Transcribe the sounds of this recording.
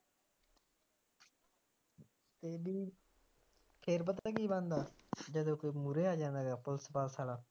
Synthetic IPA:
t̪eːbiː | kʰeːɾp̬ət̪akiːbãːnd̪aːd͡ʒəd̪õːkoːmuɾeːaːd͡ʒãːnd̪aːɡaːpʊlsəpaːlsaːɽaː

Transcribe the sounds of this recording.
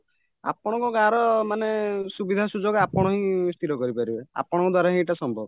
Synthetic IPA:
a̰pɔɽ̃ɔ̃ŋkɔkaɾɔmanesubid̪ʱasud͡ʒɔɡapɔɽ̃ɔɦĩst̪ʰiɾɔkɔɾipaɾiba̰pɔɽ̃ɔŋkɔd̪waɾaɦĩʈasɔmbʱɔb

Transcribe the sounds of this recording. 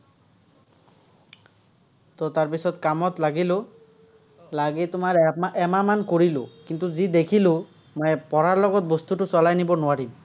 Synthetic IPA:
t̪ɔt̪aɹpisɔd̪kamɔt̪laɡilo | laɡet̪ʊmaɾɛmamankoɹilo̰kint̪uzid̪ekʰilo | mɔjpɔɾaɹlɔɡɔt̪̚bɔst̪uʈusɔlajnibɔnʊaɾim

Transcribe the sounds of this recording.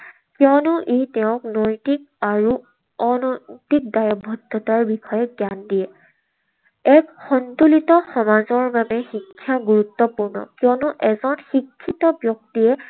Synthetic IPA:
kjɔnʊʔejtɛʊ̃knɔjtik̚aɹu | ɔnɔtik̚dajɔbʱɔdʱːɔtaɹbixɔjɛɡjandijɛ | ɛkxɔntolitɔxɔmazɔɹbabɛxikʰːjaɡuɹut̪ːɔpuɹnɔ̰kjɔnʊʔɛzɔnxikʰːitɔbjɔktiɛ

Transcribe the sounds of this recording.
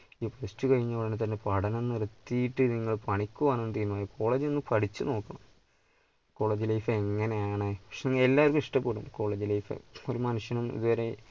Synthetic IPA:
iprestukɐɻiɲːɐɽenet̪̬ɐnːepɐɽɐnonːɨrɨt̪ːijiʈːɨniŋːɐɭpɐɳikʲːuʋɐːnnːɨt̪iːmːmaːjikʰo̞ːɭeːd͡ʑɨenːɨpɐɽit͡ɕːɨno̞ːkːɐɳɐ̰m | ko̞ːɭeːd͡ʑilɐjfɨeŋːɐnejaːɳɨpɐkʂeniŋːɐɭelːaːɐɾkumiʂʈɐpːeːɽṵmko̞ːɭeːd͡ʑilɐjfɨ̰o̞ɾumɐnuʂjɐnumḭðuʋɐɾe̞

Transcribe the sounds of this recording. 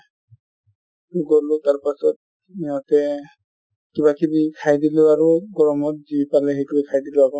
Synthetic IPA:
tuɡolʊtaɹpasɔt̚ | niɦɔtɛ | kibakibikʰajdilʊaɹuɡɔɹɔmɔt̚zipalɛɦejkubikʰajdilʊakɔ

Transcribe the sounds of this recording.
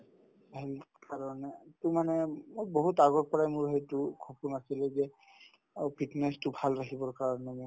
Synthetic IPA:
ɦelkaɹɔnɛtʊmanɛmojboɦutaɡɔɹpɔɹajmʊɹɦejtʊkʰɔpunasilɛzɛ | pʰitnastʊbʱalɹakʰibɔɹkaɹɔnɛmɔ

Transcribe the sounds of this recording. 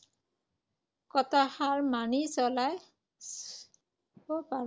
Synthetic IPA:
kɔtahaɹmanisɔlaj | bɔpa

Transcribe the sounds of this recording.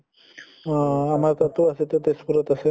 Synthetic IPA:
amaɾt̪at̪uɐset̪et̪espuɾət̪əse

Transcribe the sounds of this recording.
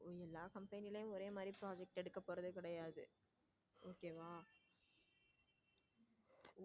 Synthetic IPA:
ɛlːaːkɐmpɐnɪlɐjʊ̃ɔɾeːmaːd̪ɾipɪɾaːd͡ʒɛk̚ʈɛɽɯkːɐpːoːɾɐðɯkɪɽɐjaːðɯ̰ | oːkeːʋaː

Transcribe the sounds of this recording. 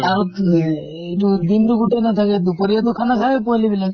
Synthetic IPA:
aɾut̪ | iʈud̪inɾuɡuʈenat̪ʰaked̪upɔɾiat̪ukʰanakʰakepolibila

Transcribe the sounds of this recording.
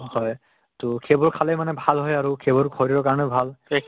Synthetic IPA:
hɔj | tʊkʰebɔɹkʰalejmanɛbʱalɦɔjaɹukʰebɔɹɡʰɔɹiɹɔkaɹɔnɛbʱal

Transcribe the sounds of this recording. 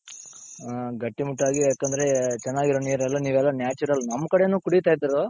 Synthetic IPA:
ɡɐʈːimuʈːaːɡijaːkɐnd̪ɐɾe̞t͡ʃɛnːaːɡiɾoniːɾɛlːɐniːʋɛlːɐnjaːt͡ʃuɾɐlnɐmːɐkɐɽe̞nuːkuɽit̪aːjt̪iɾɐo

